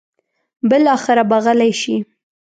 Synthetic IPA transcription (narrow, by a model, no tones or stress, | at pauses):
bɪlɑxɪɾabaɣəlajʃi